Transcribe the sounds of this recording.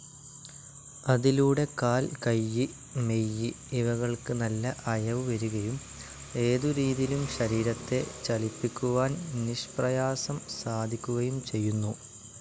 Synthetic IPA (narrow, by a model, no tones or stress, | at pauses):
ɐðiluːɽe̞kaːlkɐjːi | me̞jːi | iʋɐɣɐɭkɨnɐlːɐʔɐjɐʋɨʋɐɾuɣɐjum | e̞ːðuɾiːðilumɕɐɾiːɾɐt̪ːe̞t͡ɕɐlipːikʲːuʋaːnniʂprɐjaːsɐmsaːd̪ʱikʲːuɣɐjumt͡ɕe̞jːunːu